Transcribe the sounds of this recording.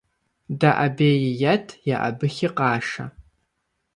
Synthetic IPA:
daʔabeːjɪjɐtʰjaʔa̰bɨxʲɪqɑːʂa̰

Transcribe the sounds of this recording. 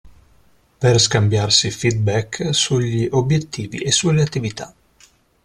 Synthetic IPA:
perskambjarsifid̪̚bɛkːsuʎːiʔobjet̪ːiːvḭʔesːuleat̪ːivit̪a̰

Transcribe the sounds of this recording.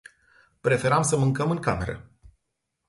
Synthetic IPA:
pɾe̞fe̞ɾamsəmɨŋkəmɨŋkame̞̰ɾə̰

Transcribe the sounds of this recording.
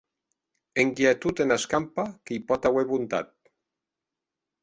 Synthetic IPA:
eŋkjet̪ut̪enaskampakejpɔt̪aweβunt̪a̰t̪̚

